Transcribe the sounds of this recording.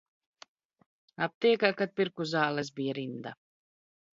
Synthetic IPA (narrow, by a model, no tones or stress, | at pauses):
ap̚t̪iɛkakat̪̚piɾkuzaːlˠɛs̬bijaɾind̪a